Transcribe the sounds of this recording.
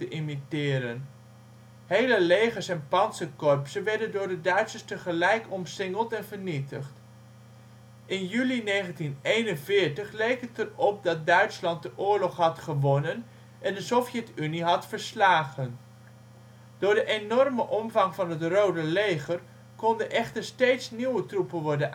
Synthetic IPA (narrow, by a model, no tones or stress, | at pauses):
təʔimitɪːɾən | hejləlejχəɹsɛnpɑnsəkɔɹpsənʋɛɹdəndʊːɹdədœɥtsəstəχəlɛjkɔmsɪŋəlˠtɛnvəɹnitəχt | ɪnjylinejχəntinejnənvɪːɹtəχlejkətərɔp̚dɑt̚dœɥtslɑnt̚dəʔʊːɹlɔχɦɑtχəʋɔnən | ʔɛndəsɔfjɛtyniɦɑtfəɹslaːχən | d̥ʊːɹdəʔenɔrməʔɔmvɑŋvɑnɦətrowdəlejχər | kɔndənʔɛχtəɹstejtsniwətrupənʋɔɹdən